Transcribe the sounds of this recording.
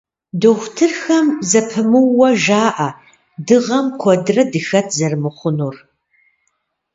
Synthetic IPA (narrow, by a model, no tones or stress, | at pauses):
doxʷtʰɨrxɐmzɐpʰɨmɨwːɐʒaːʔɐ | dɨʁɐmkʷʰɔdrɐdɨxɐtʰzɐrmɨχʷʊnuːr